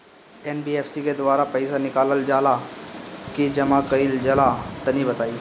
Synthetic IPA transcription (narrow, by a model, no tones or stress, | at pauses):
ɛːnbiːeːfʰsiked̪ʊʋaːɾapɐɪsanɪkaːləld͡ʒaːla | kid͡ʒɐmãkəild͡ʒɐlat̪ɐnĩbɐt̪aːiː